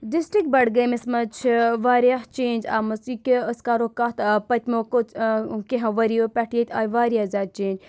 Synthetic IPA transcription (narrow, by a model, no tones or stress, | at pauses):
disʈɾik̚ʈ̚bɐɽɡɐjmesmɐt͡ʃʰʋaːɾijaɦt͡ʃeːnʲd͡ʒa̰ːmɐsikəskaːɾoːkaːt̪pɐt̪ʲmokokeɦɐ̃ʋɐɾijopʲɛʈʰjet̪ʲaːjʋaːɾijaːzʲaːd̪̚t͡ʃeːnd͡ʒ